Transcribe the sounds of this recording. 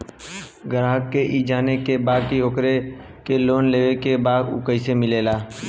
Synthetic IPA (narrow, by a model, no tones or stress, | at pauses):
ɡəɾaːɦəkːeʔiːd͡ʒaːnekebaːd̪̚kioːkɾekeloːnleːʋekebaːd̪ʊ̰kəɪsemɪleːlaː